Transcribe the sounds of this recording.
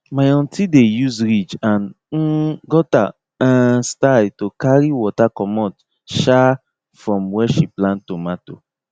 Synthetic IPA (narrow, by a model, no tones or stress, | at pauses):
majɔ̃ntʰidejuzɹid͡ʒãn | n̩ɡɔta | ãstadtokaɾiwɔtakɔmɔ̃t | ʃa | fɹɔ̃mwɛʃiplãntomato